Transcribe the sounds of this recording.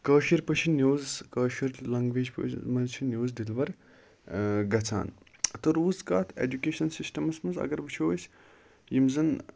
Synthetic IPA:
kəːʃiɾpət͡ʃʰinjuːzkəːʃiɾlɐŋɡʋeːd͡ʒpmɐnt͡ʃʰinjuːzd̪ilʋɐɾ | ɡɐt͡sʰa̰ːn | t̪oɾuːzkaːt̪ʰḛd͡ʒukʲeːʃɐnsisʈɐmɐsmɐnzɐ̰ɡɐɾbɨt͡ʃʰoːsʲ | jimzɐn

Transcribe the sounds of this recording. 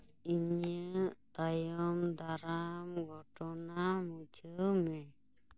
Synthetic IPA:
iɲət̪ajɔmd̪aɾamɡɔʈɔnamud͡ʒəmɛ

